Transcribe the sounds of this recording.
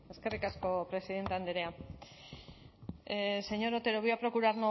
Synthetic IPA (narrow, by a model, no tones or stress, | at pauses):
e̞ske̞rikasko̞pɾe̞siðe̞nt̪eand̪eɾea | se̞ɲo̞ɾot̪e̞ɾo̞βioapɾo̞kuɾaɾno